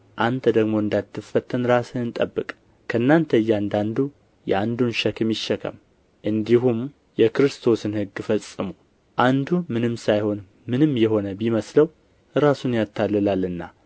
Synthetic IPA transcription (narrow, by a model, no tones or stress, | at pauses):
ʔant̪ʰəd̪əɡmoɨnd̪at̪ʰːɨfət̪ʰːənɾasɨɨnt̪ʼəbːɨkʼ | kʰənːant̪ʰəɨjːand̪and̪u | jɛ̰and̪unʃəkɨmjɪʃːɛkʰə̰m | ʔɨnd̪iɦum | jɛkɨɾɨst̪ʰo̞sɨnhɨɡːfəsʼːɨmu | ʔand̪umɨnɨmsajho̞n | mɨnɨmjɛho̞nəbiməsləw | ɾasunjat̪ʰːalːəlalːɨnːa